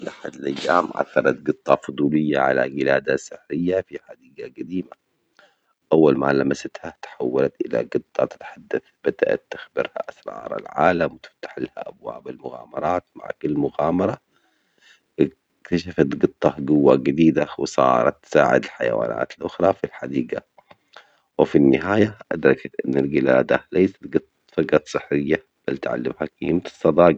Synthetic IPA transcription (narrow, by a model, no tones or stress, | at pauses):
ʔaħad̪alʔajːaːmʕa̰θːɑɾˤɑt̪̚ɡɨt̪ˤːɑfʊd̪ˤuːlɪjːaʕala̰ɡɪlaːd̪asɪħɾɪjːafiħad̪iːɡaɡad̪iːma | ʔawːalmalamasat̪hat̪ħawːalat̪ʔɪla̰ɡɨt̪ˤːɑt̪ɪ̥t̪ħad̪ːaθbad̪ʔa̰t̪ːɪxbɪɾha̰ʔasɾˤɑ̰ːɾˤa̰lʕaːlamwt̪ɪ̥ft̪ḁħlha̰ʔabwa̰ːbalmʊɣaːmɑɾˤɑːt̪ma̰ʕkʊlːmʊɣaːmɑɾˤɑ | ɪ | kt̪aʃafat̪ɡɨt̪ˤːɑhɡʊwːaɡɪd̪iːd̪awɪsˤɑ̰ːɾˤɑ̰t̪ːsaːʕɪ̰d̪alħajawa̰ːnʔa̰ːt̪lʔʊxɾˤɑfilħad̪iːɡa | wɪfinːɪɦaːjaʔad̪ɾˤɑkat̪ʔɪnːalɡɪlaːd̪a̰lajsḁt̪ɡɨt̪ˤːt̪fɑɡat̪sˤɨħɾɪjːa | b̥alt̪ʕa̰lːɪmhakiːmt̪ɨ̥sˤːɑd̪ˤɑːɡ